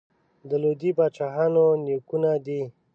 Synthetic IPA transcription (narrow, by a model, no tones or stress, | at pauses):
d̪əlod̪ibaːt͡ʃaɦanoniokunad̪i